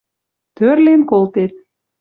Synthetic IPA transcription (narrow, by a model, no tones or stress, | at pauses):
t̪ørlenkolt̪et̪̚